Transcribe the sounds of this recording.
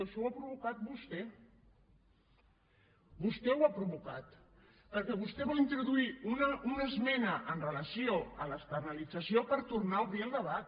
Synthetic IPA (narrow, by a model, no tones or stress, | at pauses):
oʃowapɾuβukat̪̚bust̪ɛ | bust̪ɛwapɾuβukat̪ | pəɾkɛβust̪ɛβɔlint̪ɾuðuiunəunəzmɛnəʔənrələsioələst̪əɾnəlid͡zəsiopəɾt̪uɾnaəlˠβɾielˠd̪əβat̪